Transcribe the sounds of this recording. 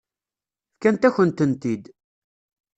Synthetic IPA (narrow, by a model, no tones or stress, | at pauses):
kænt̪æçənt̪ənt̪id̪